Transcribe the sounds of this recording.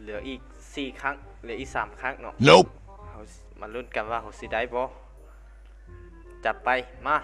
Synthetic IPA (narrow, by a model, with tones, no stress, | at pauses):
lɯ˨˩˦ɐʔiː˨˩k̚ | siː˨˩kʰa˧˥˨ŋ | lɛː˨˦ʔiː˨˩saː˨˦mkʰa˧˥˨ŋnɔ̰˧ʔno˦ | hʰa˧˦˩w | ma˧˥nlu˧˥˩nka˨nwaː˧ɦa˧˦wsi˧˦da˧˩jbɔː˧˦ | t͡ɕa˧pːa˨˩jmaː˧˥˩